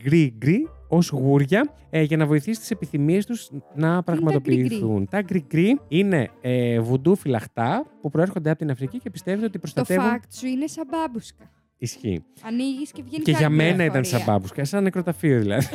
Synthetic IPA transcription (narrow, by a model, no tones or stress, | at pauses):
ɡɾiɡɾio̞zɣuɾʝɐ | ʝɐnɐvo̞iθisi̥t̪isepiθimie̞st̪uznɐpɾɐɣmɐt̪o̞piːθunt̪ɐɡɾiɡɾiine̞evud̪ufilɐxt̪ɐpupɾo̞e̞ɾxond̪eɐpo̞t̪inɐfɾicice̞pi̥st̪e̞vet̪eot̪ipɾo̞st̪ɐoe̞vunkt̪suinesɐbɐbuskɐ | isçḭ | ɐniʝiscevʝenceʝɐme̞nɐit̪ɐnsɐbɐ̰buskɐsɐnnekɾo̞t̪ɐfio̞ðilɐ̰ði